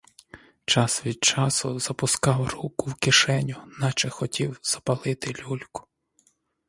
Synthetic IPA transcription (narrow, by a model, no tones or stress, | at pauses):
t͡ʃɑsʋʲid̪̚t͡ʃɑsʊzɐpʊskɑwrukʊwkɪʃɛnʲʊnɑt͡ʃɛxɔtʲiwz̥ɐpɐlˠɪt̪ɪlʲulʲkʊ̥